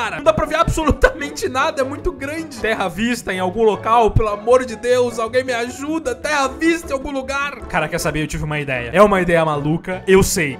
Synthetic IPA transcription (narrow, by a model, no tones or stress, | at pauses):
aɾɐɐ̃d̪apɾɐviɾabsolut̪ɐmẽnt͡ʃɪnad̪ɐɛmũj̃t̪ʊɡɾɐ̃d͡ʒɪt̪ɛɦɐvist̪ɐẽj̃awɡũlokawpelʊamoɾd͡ʒɪd̪ewzawɡẽj̃mɪaʒud̪ɐt̪ɛhɐvist̪ɐẽawɡũluɡaɾkaɾɐkɛɾsabeɾewt͡ʃivɪũmɐid̪ɛ̰jɐ̰ɛũmɐid̪ɛjɐmalukɐewsej